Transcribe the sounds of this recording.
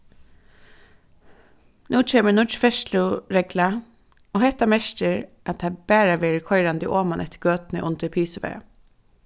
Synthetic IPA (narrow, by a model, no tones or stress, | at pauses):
nuːt͡ʃʰeːmənʊt͡ʃfɛʃlʊɹɛɡla | oːhɛht̪amɛʃt̪əɹʔat̪̚abæːɾaʋɛːɾɪkʰɔʏɾand̪ɪʔoːmanʔɛt̪ːə̥ɾɡøːt̪nəʔʊnt̪əpʰiːsəʋɛ̰ː